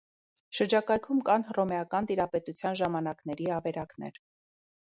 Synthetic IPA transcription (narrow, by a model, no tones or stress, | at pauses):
ʃəɾd͡ʒɑkɑjkʰumkɑnɦrɔmɛɑkɑnt̪iɾɑpɛt̪ut͡sʰjɑnʒɑmɑnɑknɛɾiɑvɛɾɑknɛ̰ɾ